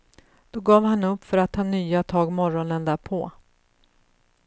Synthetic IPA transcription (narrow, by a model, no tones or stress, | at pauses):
d̪̥ɔɡɑːvhanɵpːfœɾat̪ʰːɑːnyːat̪ʰɑːɡmɔɾɔnənd̪æːɾpʰɔː